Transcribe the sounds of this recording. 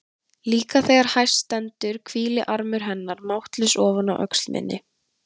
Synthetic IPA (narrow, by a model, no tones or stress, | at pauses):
liːkaθɛːɣaɾ̥hajr̥st̪ɛnt̪ʏɾ̥kʰviːlɪʔaɾmʏɾɦɛnːaɾmawht̪lɪsɔːvanaʔœ̰kslmɪ̰nːʔɪ̰